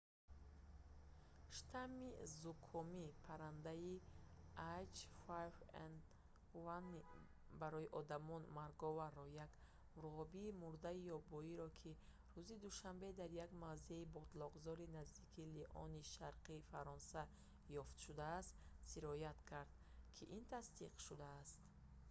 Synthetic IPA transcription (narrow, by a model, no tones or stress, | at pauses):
ʃt̪ʰamizukʰɔmipʰaɾand̪aiat͡ʃfajva̰n | vanːi | baɾɔjiʔɔd̪amɔnmaɾɡɔvarːɔjaɡ | uɾʁɔbiːmuɾd̪aijɔbɔiɾɔkʰi | ɾuzid̪uʃambe̞d̪aɾjaɡmavzeibɔd̪lɔʁzɔɾinazd̪ikʰiliʔɔ̰niʃaɾqʰiːfaɾɔnsa | jɔft̪ʃud̪aːst̪siɾɔjat̪kʰaɾd̪̚ | kʰiʔint̪ʰast̪iqʃud̪aːst̪